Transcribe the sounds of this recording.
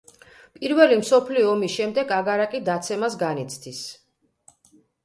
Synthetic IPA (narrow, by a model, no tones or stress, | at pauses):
pʼiɾvɛlimsɔpʰliɔːmisʃɛmd̪ɛɡaɡaɾakʼid̪at̪sʰɛmasɡanit̪sʰd̪ʰis